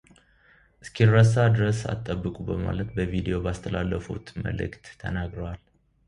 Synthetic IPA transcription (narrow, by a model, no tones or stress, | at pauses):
ʔɨskʰirəs̬ad̪ɾəsa̰t̪ʼːəbːɨkʼubəma̰lət̪bəvid̪ijo̞bast̪ʰəlalːəfṵt̪mə̰lɨ̰kt̪ːʰə̰naɡɾəwal